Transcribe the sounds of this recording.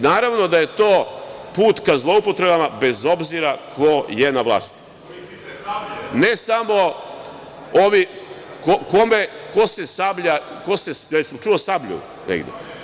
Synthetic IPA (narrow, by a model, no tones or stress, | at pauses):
naːɾaʋno̞d̪aje̞t̪oːpuːt̪kazlˠo̞upo̞t̪ɾe̞bamabe̞zo̞bziɾakoje̞naʋlˠa̰ːst̪i̥ | nesamo̞ | oʋi | koko̞me | ko̞se̞sabʎa | kosesɾet̪simot͡ʃuosabʎṵ | nḛɡd̪jḛ